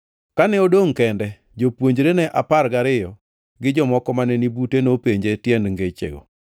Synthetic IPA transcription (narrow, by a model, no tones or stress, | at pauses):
kanɛodoŋkɛndɛ | d͡ʒopwoɲd͡ʒɾenɛʔapaɾɡaɾɪjɔ | ɡɪd͡ʒɔmɔkɔmanɛnibutenopeɲd͡ʒetjɛndŋɡet͡ʃḛɡo̰